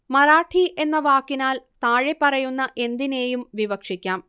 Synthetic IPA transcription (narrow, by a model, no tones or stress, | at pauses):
mɐɾaːʈʰiʔe̞nːɐʋaːkːinaːlt̪aːɻepːɐrɐjunːɐʔe̞nd̪ine̞ːjumʋiʋɐkʂikʲːaːm